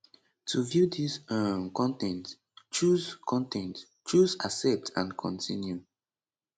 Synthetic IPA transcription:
tʰuvjudisəmkɔ̃ntɛ̃nt | t͡ʃuzkʰɔ̃ntɛ̃nt | t͡ʃuzasɛp̚tʰã̰nkʰɔ̃ntʰĩnju

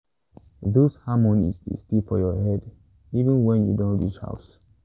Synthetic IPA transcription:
ðoshamɔ̃nḭstḛstifɔjɔɦɛd | ivĩnwɛ̃njṵdõnɹit͡ʃha̰ʊs

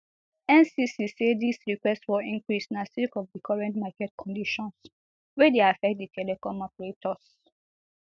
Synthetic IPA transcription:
ɛ̃nsisisedisɹikwɛstsfɔĩŋkɹisnasikɔvðikʰɔɹɛ̃ntmakɛt̚kʰɔ̃ndiʃɔ̃ns | wɛdeafɛk̚t̚ditʰɛlɛkɔ̃mɔpɛɹetɔs

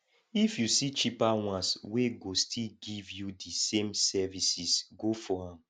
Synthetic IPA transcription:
ifjusit͡ʃipawãsweɡostʰilɡivjudisẽmsɛvisisɡofɔãm

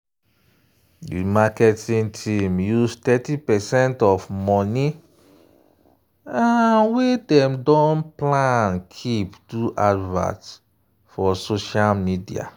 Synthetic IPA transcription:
dḭmakɛtĩŋtʰĩmjustɛtipɛsɛ̃ntɔfmɔni | anwedɛ̃mdɔ̃nplãnkʰiptuʔadva̰ts | fɔsoʃalmidia̰

